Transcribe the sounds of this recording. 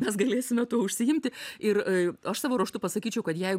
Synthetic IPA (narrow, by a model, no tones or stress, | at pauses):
mʲɛsɡɐlʲeːsʲɪmʲɛt̪uɔʊʃʲsʲɪjɪmʲt̪ʲɪɪɾɐʃsɑːʋoːɾuɔʃt̪ʊpɐsɐkʲiːt͡ʃʲɛʊkɐt̪jɛɪɡ